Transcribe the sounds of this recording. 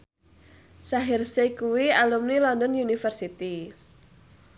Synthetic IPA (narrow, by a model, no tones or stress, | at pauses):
saɦɪrsekuwialumnilɔnd̪ɔnjunifərsit̪i